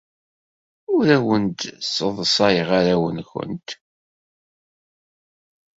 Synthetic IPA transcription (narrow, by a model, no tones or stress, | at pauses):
ʊɾæwənd̪sːəðˤsˤɑjəʁaɾæwənxə̰nt̪